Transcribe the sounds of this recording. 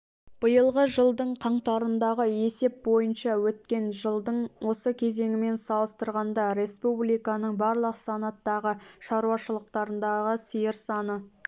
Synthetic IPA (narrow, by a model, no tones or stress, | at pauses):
b̥əjəlˠʁəʒəlˠd̪əɴqʰɑɴt̪ɑɾənd̪ɑʁəe̞se̞p̚bo̞jənʃɑwɵt̪̚kʲe̞nʒəlˠd̪əɴwʔo̞səkʲʰe̞ze̞ŋʲɪme̞nsɑlˠəst̪əɾʁɑnd̪ɑɾe̞spublijkɑnəɴbɑɾlˠəqsɑnɑt̪ːɑʁəʃɑɾuɑʃəlˠəqt̪ɑɾənd̪ɑʁəsijɪɾsɑnə